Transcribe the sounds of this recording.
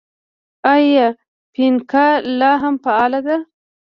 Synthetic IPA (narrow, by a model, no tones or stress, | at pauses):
aja | pinkalɑɦampaɑlad̪a